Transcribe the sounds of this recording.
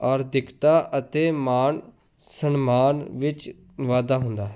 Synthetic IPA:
ɔːɾd̪ɪkʰt̪aːʔət̪eːmaːn | sənmaːnʋɪt͡ʃ | ʋaːd̪aːɦʊnd̪aːɦɛ

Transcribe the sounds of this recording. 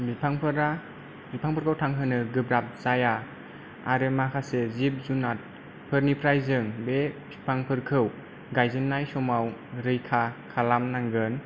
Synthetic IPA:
bipʰaŋpʰɯɾa | bipʰaŋpʰɯɾkʰɯwtʰaŋɦɯnɯɡɯbɾap̚zaja | aɾɯmakʰasezip̚zunat̚ | pʰɯɾnipʰɾajzɯŋbebipʰaŋpʰɯɾkʰɯw | ɡajzɯnːajsɔmawɾɯjkʰakʰalamnaŋɡɯn

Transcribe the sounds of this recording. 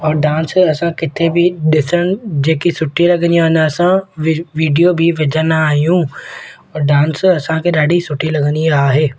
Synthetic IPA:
ɔːɾɖaːnsɐsãkɪt̪ʰebʱɪɗɪsəɽ̃ʊd͡ʑeːkisʊʈʰːilɐɡə̃nd̪ijãːɦɪnd̪asãʋiːɖijobʱɪʋɪd͡ʑʱənaːɦijũ | ɔːɾɖaːnsɐsãkʰeːɗaːɖʱisʊʈʰilɐɡə̃nd̪iaːɦeː

